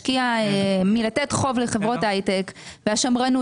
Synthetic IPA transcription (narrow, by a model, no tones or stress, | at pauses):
kiaemilatetχo̞vleχevʁo̞tajtekveaʃamʁanu